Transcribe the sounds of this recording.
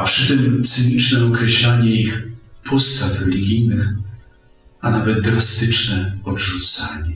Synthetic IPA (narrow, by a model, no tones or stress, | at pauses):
apʂɘt̪ɘmt̪sɘɲit͡ʂnɛɔkɾɛɕlaɲɛixpʰɔst̪afɾɛlʲiɡʲijnɘx | anavɛd̪̚d̪ɾast̪ɘt͡ʂnɛɔdʐut̪saɲɛ